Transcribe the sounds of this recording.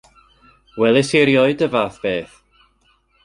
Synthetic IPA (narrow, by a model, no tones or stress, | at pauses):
wɛlˠɪsiɾjɔɨdəvaːθb̥eːθ